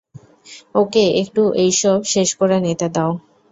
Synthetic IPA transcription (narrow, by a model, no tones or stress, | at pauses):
okeek̚ʈuʔejʃɔbʃeʃkɔɾanet̪ad̪ao